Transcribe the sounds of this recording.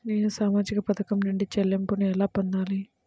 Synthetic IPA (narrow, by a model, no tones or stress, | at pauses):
ne̞ːnusaːmaːd͡ʒikɐpɐt̪ʰɐkɐmnuɳɖit͡ʃɛlːempunuɛlaːpond̪aːli